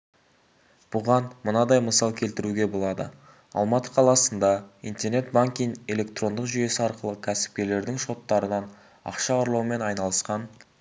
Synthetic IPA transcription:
b̥ʊʁɑnmənɑd̪ɑjməsɑlˠkʲʰe̞lt̪ɪɾuɡʲe̞bo̞lˠɑd̪ə̰ | ɑ̰lˠmɑt̪əqʰɑlˠɑsənd̪ɑḭjnt̪erne̞t̪̚baŋkʲijne̞lʲe̞kt̪ro̞nd̪əqʒʏje̞sɪɑɾqəlˠəkʲʰæsɪ̥p̚kʲe̞le̞ɾd̪ɪŋʃo̞t̪ːɑɾənɑn | ɑ̰qʃɑoɾlˠɑwme̞nɑjnɑlˠəsqɑn

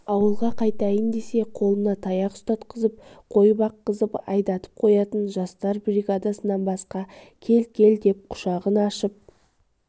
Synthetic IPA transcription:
ɑwəlˠʁɑqʰɑjt̪ɑjənd̪e̞se̞qʰo̞lˠənɑt̪ʰɑjɑqst̪ɑt̪qʰəzəp̚qʰo̞jəbɑqːəzəpɑ̰jd̪ɑt̪ə̥p̚qʰo̞jɑt̪ənʒɑst̪ɑɾbɾiɡad̪asənɑnbɑsqɑ | kʲʰe̞lkʲe̞ld̪e̞p̚qʰʊ̥ʃɑʁənɑʃəp̚

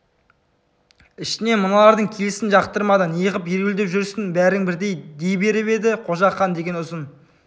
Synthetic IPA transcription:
ɪʃt̪ɪne̞mənɑlˠɑɾd̪əɴkʲʰe̞lɪsɪnʒɑqt̪əɾmɑd̪ɑnjəʁəpjeɾɪld̪epʒʏɾsɪnbæɾɪŋbɪɾd̪e̞jd̪ejbe̞ɾɪβe̞d̪ɪqʰo̞ʒɑqːɑnd̪e̞ɡʲe̞nʊzən

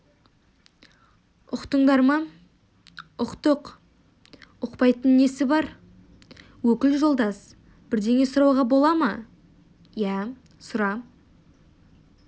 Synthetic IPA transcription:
ʊqt̪əɴd̪ɑɾmɑ | ʊqt̪əq | ʊqpɑjt̪ənːe̞sɪbɑɾ | wɵkʲɪlʒo̞lˠd̪ɑs | bɪɾd̪e̞ŋe̞sʊɾɑwʁɑbo̞lˠɑmɑ | jæ | sʊɾɑ

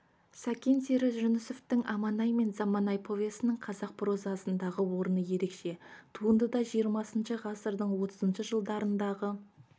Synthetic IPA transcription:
sakʲent̪eɾɪʒʊnɪsoft̪ɪŋɑmɑnɑjme̞nzɑmɑnɑjpʰo̞vʲesənɪɴqʰɑzɑq̚pʰɾo̞zɑsənd̪ɑʁəwo̞ɾənəje̞ɾe̞kʃe̞t̪ʰuənd̪əd̪ɑʒijəɾmɑsənʃəʁɑsəɾd̪əɴwo̞t̪ʰəzənʃəʒəlˠd̪ɑɾənd̪ɑʁə

